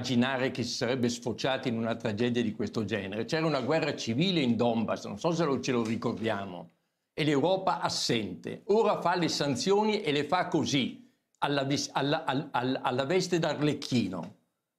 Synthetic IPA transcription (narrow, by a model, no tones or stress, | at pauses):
d͡ʒinaːɾekesi̥saɾɛbːesfot͡ʃaːt̪iinunat̪ɾad͡ʒɛːd̪jad̪ikwest̪od͡ʒɛːneɾet͡ʃɛːɾaunaɡwɛrːat͡ʃiviːleind̪ɔmbasno̰nsɔs̬elot͡ʃelorikord̪jaːmo̰ | elewɾɔːpaʔasːɛnt̪ḛoːɾafalesant̪sjoːniʔelefakːozi | alːavsalaalalːavɛst̪ed̪arlekʰːiːno̰